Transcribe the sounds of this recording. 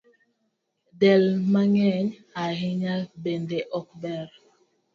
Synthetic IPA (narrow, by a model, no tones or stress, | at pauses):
dɛlmaŋɛɲaɦiɲabendeʔɔkbɛɾ